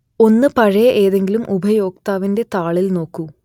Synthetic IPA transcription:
o̞nːɨpɐɻɐjɐʔeːðe̞ŋɡilumʔubʱɐjo̞ːk̚t̪aːʋinde̞t̪aːɭilno̞ːkːu

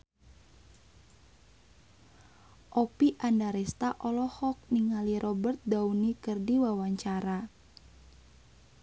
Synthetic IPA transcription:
ʔɔpiʔandaɾɛst̪aʔɔlɔhɔk̚niŋaliɾʔɔbərt̪̚daunikərdiwawaɲt͡ʃaɾa

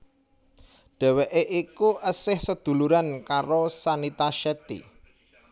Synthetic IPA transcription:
ɖ̪̥ɛ̤weʔeʔikuʔəsɪhsəd̪̥ṳluɾankaɾosanit̪aʃɛt̪ḭ

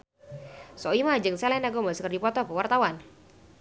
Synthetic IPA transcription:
sɔimad͡ʒɨŋsɛlɛnaɡoməskərdipɔt̪ɔkəwart̪awan

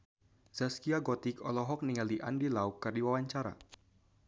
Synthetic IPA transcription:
z̥askiaɡɔt̪ikɔlɔɦɔk̚niŋaliʔandilaukːərdiwawaɲt͡ʃaɾa̰

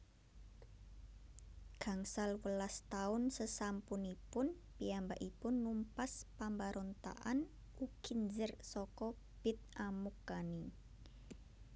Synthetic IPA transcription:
ɡ̥a̤ŋsalwəlast̪aʊnsəsampunipʊn | piambaʔipʊnːumpaspambaɾʔɔnt̪a̰ʔan | ukind͡ʒərsɔkɔ | b̥ɪ̤t̪̚ʔamukːani

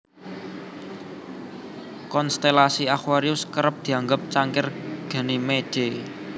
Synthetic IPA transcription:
kɔnst̪elasiaxwaɾiʊskəɾəp̚d̪̥i̤aŋɡəp̚t͡ʃaŋkɪrɡ̥a̤nimed̥e

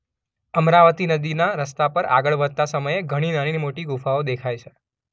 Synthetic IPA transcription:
əmɾaʋət̪inəd̪inaɾəst̪apəɾa̰ɡəɭʋəd̪̚t̪asəməjeɡʱəɽ̃inañinimoʈiɡufaod̪ekʰajt͡ʃʰe

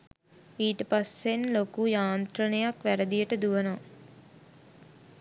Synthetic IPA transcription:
iːʈəpasenlokujaːnt̪ɾənəjakʋæɾəd̪ijəʈəd̪uʋəno

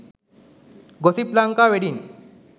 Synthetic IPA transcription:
ɡosiplaŋkaʋeɽin

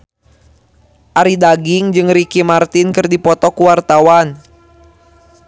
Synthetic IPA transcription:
ʔaɾidaɡiŋd͡ʒɨŋɾikimart̪inkɨrdipɔt̪ɔkuwart̪awan

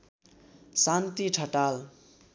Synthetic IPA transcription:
sant̪iʈʰʌʈal

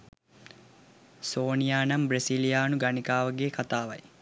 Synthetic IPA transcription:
soːnijaːnambɾesilijaːnuɡanikaːʋəɡeːkʰat̪aːʋɐ̰j

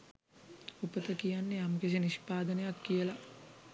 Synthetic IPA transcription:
upət̪əkijanːejamkes̬eniʃpaːd̪ənejakːijəla

